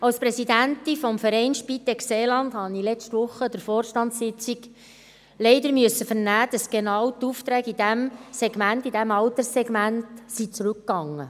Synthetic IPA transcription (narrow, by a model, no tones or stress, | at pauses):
ɑwspɾɛsidænt̪ifɔmfəɾɛɪnʃpit̪ːɛkseːlɑnd̥̪hɑnilɛt͡ʃtʋʊχːəd̥əɾfɔːrʃtɑntsɪt͡siɡ | lɛɪdəɾmyəsəfəɾnæːd̥ɑsɡ̥enɑwt̪uft̪ɾæːɡid̥æmsɛɡmæntid̥æmɑwt̪əɾsɛɡmæntsit͡sɾʉkːɑŋːə